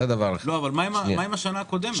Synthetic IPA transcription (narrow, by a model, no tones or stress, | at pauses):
ed̪avaʁlelo̞avalmaimamaimaʃanaːko̞d̪em